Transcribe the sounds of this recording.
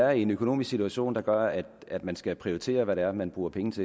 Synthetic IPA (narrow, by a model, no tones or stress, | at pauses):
æɐe̝nøko̝no̝̰ːmiskɡ̥sit͡sʰuæɕo̝̰ːnd̥ɑ̈ɡ̥ɶɐæd̥æd̥mænsɡ̥æpʰʁioit͡sʰe̝̰ːɐʋæɾeæɐmænb̥ʁuːɐpʰeŋnət͡sʰe̝